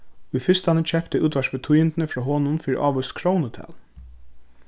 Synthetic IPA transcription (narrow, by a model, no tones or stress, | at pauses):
ʊjfɪst̪anət͡ɕʰɛpt̪əʔuːt̪ʋæʂbət̪ʰujɪnt̪nəfɹɔːɦoːnʊnfiːɾḭʔɑːʋɔst̪kʰɹɔwnət̪ʰɛ̰ːl